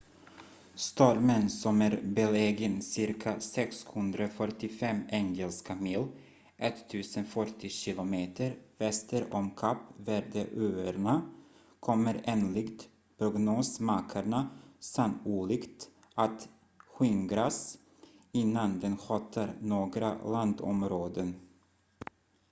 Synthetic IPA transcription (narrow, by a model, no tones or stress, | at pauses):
st̪ɔɾmənsɔmæːɾbɛleːɡənsɪɾkʰasɛkshɵnd̪ɾafœʈːɪfɛmɛŋɛlskʰamil | ʔɛt̪ʰːʉ̟ːsənfœʈːɪɕɪlʊmeːt̪ʰəɾvɛst̪əɾɔmkʰapːvæːɖəʔøːəɾɳa | kʰɔmːəɾeːnlɪkt̪ | pʰɾʊɡnoːsmaːkʰaɳasanuːlɪkt̪ | ʔat̪ | ɧʏŋɡɾas | ɪnːand̪ɛnɧɑːt̪ʰaɾnoːɡɾa̰land̪ɔ̰mɾoːd̪ən